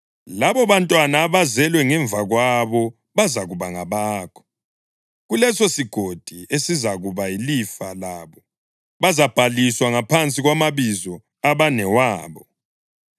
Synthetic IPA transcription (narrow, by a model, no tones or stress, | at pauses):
laβɔβantʼwanaːβazɛlwɛŋɛɱvaɣwaβɔ | βazaɣuβaŋaβaːkʰɔ̥ | ɣulɛsosiɡ̥ʱod̥ʱiesizaɣuβailifalaːβɔ | βazab̥ʱaliswaŋapʰant͡sʼiɣwamaβizɔ | aβanɛwaːβɔ